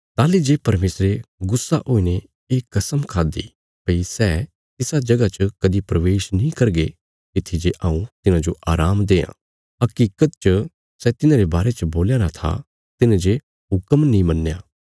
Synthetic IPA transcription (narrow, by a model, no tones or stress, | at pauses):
t̪aːlid͡ʒeːpɐɾmeːsɾeɡʊsːaʔoːine | eːkːɐsəmkʰaːd̪ḭ | pɐisɛ | ɪsad͡ʒɐɡat͡ʃəkɐd̪ipɾɐʋeːʃnĩkɐɾɡe | kɪt̪ʰːid͡ʒeʔaːũt̪ɪnãd͡ʒoʔaːɾaːmd̪eːã̰ː | ɐkiːkət̪t͡ʃə | sɛt̪ɪnãɾebaːɾet͡ʃəboːljaːɾat̪ʰa̰ | t̪ɪnd͡ʒe | ɦʊkəmnĩmɐnːejaː